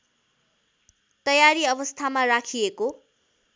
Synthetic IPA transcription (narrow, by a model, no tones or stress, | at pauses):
t̪ʌjaɾiʌbʌst̪ʰamarakʰieko